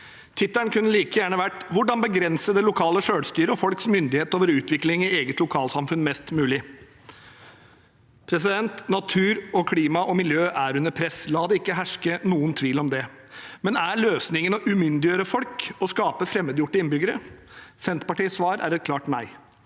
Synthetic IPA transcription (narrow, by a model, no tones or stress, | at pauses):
t̪ʰɪt̪ːəɳkʉnːəliːkəjæːɳəʋæʈːʋʊɖɑnbəɡɾɛnsəd̪ɛlʊkʰɑːləʂøːɽst̪yːɾəɔfɔlksmʏnd̪ɪheːt̪oːʋəɾʉːt̪ʋɪklɪŋɪeːɡət̪lʊkʰɑːlsɑmfʉnːmɛst̪mʉːlɪ | pʰɾɛs̬ɪd̪ɛnt̪nɑt̪ʰʉːɾɔkʰliːmɑʔɔmɪljøːʔæɾʉnəɾpʰɾɛslɑːd̪ɛɪkːəɦæʂkənuːənt̪ʰʋiːlɔmd̪ɛ | mɛnæɭøːsnɪŋənɔʔʉmʏnd̪ɪjøːɾəfɔlkɔskɑːpəfɾɛmːəd̪jʊʈːəɪnbʏɡəɾə | sɛnt̪pɑʈiːsʋɑːɾæ̰ɾɛt̪̚kʰlɑːʈmæɪ